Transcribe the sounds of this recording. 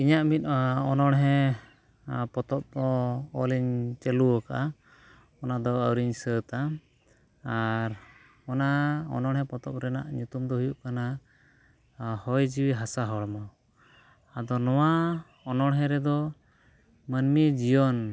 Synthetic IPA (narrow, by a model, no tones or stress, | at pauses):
iɲaʔmit̪̚ɔnɔɽɦɛ | pɔt̪ɔp̚d̪ɔɔliɲt͡ʃɛluɔkaʔa | ɔnad̪ɔəwɾiɲsət̪aː | ɾ | ɔnaɔ̰nɔɽɦɛ̃pɔt̪ɔp̚ɾɛna̰ʔɲut̪umd̪ɔɦujuʔkana | hɔjd͡ʒiwiɦasaɦɔɭmɔ | ad̪ɔnɔwa | ɔnɔɽɦɛ̃ɾɛd̪ɔ | mənmid͡ʒijɔn